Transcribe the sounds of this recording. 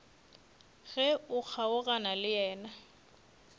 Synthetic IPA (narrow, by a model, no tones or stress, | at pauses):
ɣɛʊk͡xʰaʊɣanalɪjɛːna